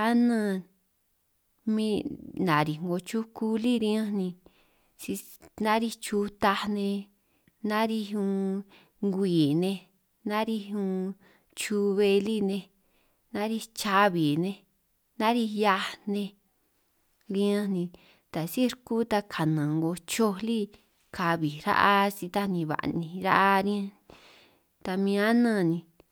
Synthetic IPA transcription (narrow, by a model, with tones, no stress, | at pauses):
a˦nã˦˧˦ | mĩ˦nã˨ɾi˨ŋɡo˧t͡ʃu˦ku˦li˦ɾĩ˦ã˦nĩ˧ | si˧ | nã˦ɾi˧t͡ʃu˧t̪a˧nẽ˧ | nã˦ɾi˧ũ˧ | ŋɡʷiː˨nẽ˧ | nã˦ɾi˧ũ˧ | t͡ʃu˧βe˧li˦nẽ˧ | nã˦ɾi˧t͡ʃa˧βi˨nẽ˧ | nã˦ɾi˧ja˧nẽ˧ | ɾĩ˧˦ã˦nĩ˧ | t̪a˨si˦ɾku˦t̪a˧kʰa˨nã˨ŋɡo˧t͡ʃo˧li˦ | kʰa˧βi˨ɾa̰˦ʔa˧si˧t̪a˦nĩ˧βa̰˨nĩ˧˨ɾa̰˦ʔa˦ɾĩ˦ã˦˧nĩ˧ | t̪a˧mĩ˧ã˦nã˦˧˨nĩ˧